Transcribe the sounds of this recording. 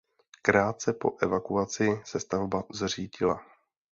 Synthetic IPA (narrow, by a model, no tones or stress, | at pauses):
kɾaːt̪̚sɛpo̞̰ʔɛvakuat͡sɪsɛst̪avbazr̝iːɟɪla